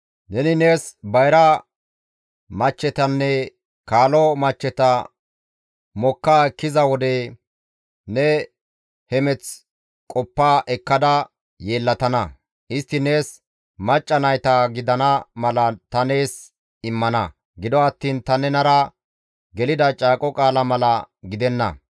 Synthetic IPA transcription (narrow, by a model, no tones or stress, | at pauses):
nɛnɪne̞ːsbɐjɾɐ | mɐt͡ʃːɛt̪ɐnːɛ | kaːlɔmɐt͡ʃːɛt̪ɐ | mɔkːaːɛkːɪzɐwɔd̪ɛ | nɛ | hɛmɛt͡s | kʼɔpːaːʔɛkːɐd̪ɐ | jeːlːɐt̪ɐnɐ | ʔɪst̪ːɪne̞ːs | mɐt͡ʃʼːɐnɐjt̪ɐɡɪd̪ɐnɐmɐlɐt̪ɐne̞ːs | ɪmːɐnɐ | ɡɪd̪ɔɐt̪ːiːnt̪ɐnɛnɐɾɐ | ɡɛlɪd̪ɐt͡ʃʼaːkʼɔkʼaːlɐmɐlɐ | ɡɪd̪ɛnːɐ̰